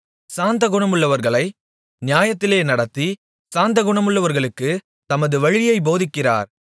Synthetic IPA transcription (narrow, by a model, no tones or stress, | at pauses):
saːnd̪ɐɣʊɳɐmɯɭːɐʋɐɾɣɐɭɐɪ | nɪjaːjɐt̪ːɪleːnɐɽɐt̪ːi | saːnd̪ɐɣʊɳɐmɯɭːɐʋɐɾɣɐɭɯkːɯ | t̪ɐmɐðɯʋɐɻɪjɐɪboːðɪkːɪra̰ːɾ